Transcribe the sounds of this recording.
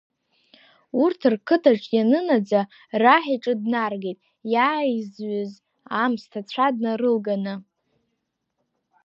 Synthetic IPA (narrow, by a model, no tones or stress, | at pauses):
urtʰɨrkʰɨtʰaʈ͡ʂʼjanɨnad͡za | raħaʈ͡ʂʼɨdnarɡejtʼ | jaːizɥʏz | amstʰat͡ɕʷʰadnarɨlɡanɨ